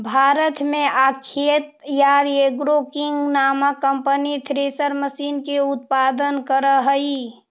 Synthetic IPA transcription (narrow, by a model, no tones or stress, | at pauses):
bʱaːɾət̪mẽʔakʰet̪jaːɾeɡɾokɪ̃ŋɡnaːmakəmpənit̪ʰɾeːsəɾməsiːnkeʊt̪̚paːd̪ənkəɾəɦəi